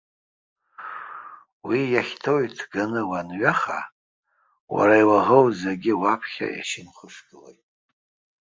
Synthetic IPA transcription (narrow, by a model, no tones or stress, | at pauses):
wijaχʲtʰo̞jtʰɡanɨwanɥaχa̰ | wa̰ɾaiwaʁəwzeɡʲɪwapʰχʲa̰ja̰ʃɪnχʷʊʂɡɨlḛjtʼ